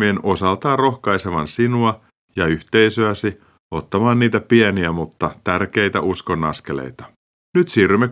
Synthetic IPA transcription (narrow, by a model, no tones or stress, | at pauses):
ienosɑlt̪ɑːrro̞xkɑjseʋɑ̰nsinuɑ | jɑyht̪ejsøæsi | ot̪ːɑmɑːnniːt̪æpiɛniæmut̪ːɑt̪ærk̟e̞jt̪æʔuskonːɑ̰ske̞lḛjt̪ɑ̥ | nyt̪siːrːymːe